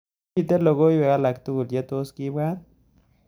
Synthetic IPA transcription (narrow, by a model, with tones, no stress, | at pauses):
i˧t̪e˦lo˧ɡo˦jbe˨ɡa˦la˨kt̪u˦u˨lje˦t̪o˦ski˦bɡa˦n